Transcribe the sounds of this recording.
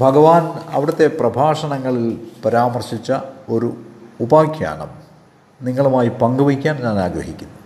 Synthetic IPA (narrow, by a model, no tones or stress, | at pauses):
bʱɐɡɐʋaːnɐ̰ʋiɽɐt̪ːe̞prɐbʱaːʂɐɳɐŋːɐɭilpɐɾaːmɐrɕit͡ɕːɐo̞ɾuubaːkʰja̰ːnɐ̰m | niŋːɐɭumaːjipɐŋɡuʋikʲːaːnɲaːnaːɡɾɐɦikʲːunːu